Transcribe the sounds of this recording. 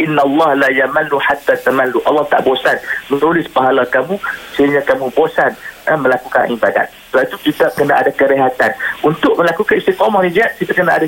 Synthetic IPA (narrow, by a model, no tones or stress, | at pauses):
ʔɪnːalːɑhlajamaluħat̪ːat̪amalːuʔɑ̰lːɑht̪a̰ʔbosanmə̃nɾulɪspaɦalakamũsəiɲãkamũbosanəmə̃lakuka̰nʔibada̰t̪̚səbaʔit̪ukit̪akənaʔadakəɾeɦat̪anunt̪ʊʔ̚mə̃lakukanist̪ikɔmahid͡ʒat̪̚kit̪akənaʔada